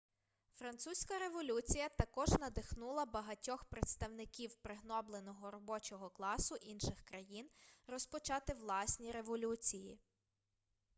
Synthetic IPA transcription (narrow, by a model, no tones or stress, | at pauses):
fɾɐnt̪susʲkɐɾeʋɔlʲut͡sʲijɐt̪ɐkɔʒnɐd̪ɪxnulˠɐbɐɦɐtʲɔxpɾet̪st̪ɐwnɪkʲiwpɾɪɦnɔblˠenɔɦɔɾɔbɔt͡ʃɔɦɔklˠɑsʊʔinʃɪxkɾɐjinrɔspɔt͡ʃɑt̪ɪʋlˠɑsʲnʲiɾe̞ʋɔlʲut͡sʲijḭ